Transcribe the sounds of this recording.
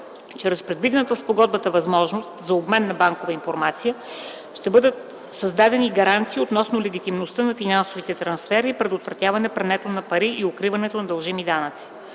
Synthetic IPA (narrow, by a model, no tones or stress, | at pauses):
t͡ʃɛɾɛspɾɛd̪vid̪ɛnət̪əspoɡɔd̪̚bət̪əvɐzmɔʒnost̪zɐobmɛnːɐbaŋkovəinfoɾmat̪sijə | ʃt̪ɛbɤd̪ət̪̚ | səzd̪ad̪ɛniɡɐɾant̪siːot̪nɔsnʊlɛɡʲit̪imnost̪ənɐfinansovit̪ɛt̪ɾɐnsfɛɾiːpɾɛd̪ot̪vɾɐt̪javɐnɛpɾɛnɛt̪onɐpɐɾiʔiokɾivɐnɛt̪onɐd̪ɐlˠʒimid̪anət̪si̥